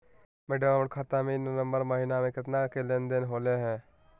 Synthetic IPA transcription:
meːɖəʋaːməɳkʰat̪amẽnnə̃mbəɾməɦinamẽkɪt̪nakelẽːnd̪enɦoːleɦɛ̃ː

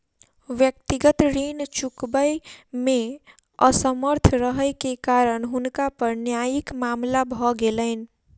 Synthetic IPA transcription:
ʋjək̚t̪iɡət̪ɾint͡ʃukbəjme | əsəməɾt̪ʰɾəɦəjkekaɾəɳɦunkapəɾnjajikmamlabʱɔɡeləɪn̆

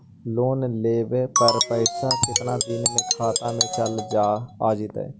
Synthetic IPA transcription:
loːnleːbeːpəɾpəɪsaːkɪt̪naːd̪ɪnmẽkʰaːt̪ãːmẽːt͡ʃəld͡ʒaːaːd͡ʒɪt̪ɛ̰ː

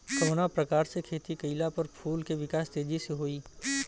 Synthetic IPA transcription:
kɐɾonapɾɐkaːɾsekʰeːt̪ikɐɪlapɐɾpʰuːlkeʋɪkaːst̪eːd͡ʒiseɦoːiː

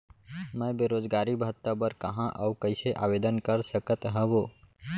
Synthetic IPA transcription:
mɛ̃ːbeːɾoːd͡ʒɡaːɾibəɦət̪ːəbəɾkɐɦãʔəukəɪseʔaːʋeːd̪ənkəɾsəkət̪ɦɛ̃boː

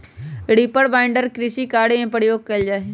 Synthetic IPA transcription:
ɽiːpəɽbaːɪ̃ɳɖəɾkɾɪʃikaːɽeẽːpəɽjoːɡ̚kɐid͡ʒaːe

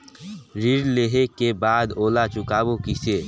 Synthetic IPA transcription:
ɾɪɾleɦekebaːd̪oːlat͡ʃʊkaːbokiseː

